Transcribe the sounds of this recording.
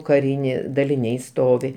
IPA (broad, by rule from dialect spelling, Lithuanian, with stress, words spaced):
kɐˈrʲɪnʲeː dɐlʲɪˈnʲɛɪ ˈstoːʋʲɪ